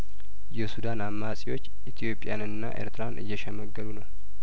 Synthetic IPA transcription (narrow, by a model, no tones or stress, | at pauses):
jɛsud̪anamːasʼiwo̞t͡ʃː | it̪ʰijo̞pʼɪjanɨnːa̰ʔḛɾt̪ʰɨɾanʔɨ̰jːɛʃɛməɡːəd̪unəw